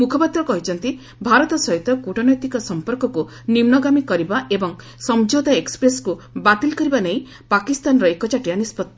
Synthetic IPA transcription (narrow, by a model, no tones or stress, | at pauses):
mukʰɔpat̪ɾɔkɔɦit͡ʃʰɔnt̪i | bʱaɾɔt̪ɔsɔɦit̪ɔkuʈʰɔnɔjt̪ikɔsɔmpɔɾkɔku | nimnɔɡamikɔɾibaʔebɔŋ | sɔmd͡ʒod̪aekspɾeskubat̪ilkɔɾibaneĩ | pakist̪anɾɔekɔt͡ʃaʈianispɔt̪ː